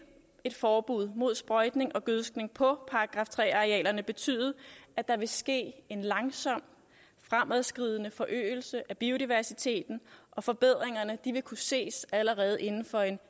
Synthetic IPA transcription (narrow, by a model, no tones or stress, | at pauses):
e̝d̥fɒːb̥uð̞̰ˠmo̝ð̞̰ˠsb̥ʁɒ̽ɪd̥ne̝ŋʔɒ̽ɡ̥øðˠsɡ̥ne̝ŋpʰɒ̽pʰɑ̈ɑɡ̥ʁɑ̈ːft͡sʰʁɛ̰ːɑ̈ʁiɛ̰ːlɐnəb̥e̝t͡sʰy̰ːðˠɐæd̥ɑ̈ʋe̝sɡ̥e̝̰ːe̝nlɑ̈ŋsɒ̽m̰ | fʁamæðˠsɡ̥ʁið̞̰ˠənəfɒ̽ʔø̰ːɪl̩səʔæb̥io̝ɾiʋæɐsit͡sʰe̝̰ːd̥n̩ʔɒ̽fɒ̽b̥e̝ð̞̰ˠʁeŋɐnəd̥iʋe̝kʰuse̝̰ːsæləʁɛːð̞̩ˠʔe̝nn̩fɒ̽e̝n